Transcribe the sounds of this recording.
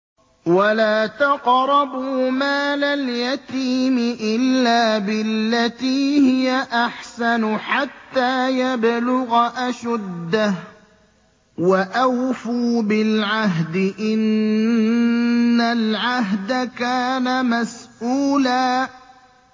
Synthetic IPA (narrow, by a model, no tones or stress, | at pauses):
walaːt̪aqɾˤɑbumaːlaljat̪iːmɪʔɪlːaːbɪlːat̪iːhɪjaʔaħsanʊħat̪ːaːjablʊɣaʔaʃʊd̪ːa | waʔawfuːbɪlʕaɦd̪ɪʔɪn | alʕaɦd̪akaːnamasʔuːlaː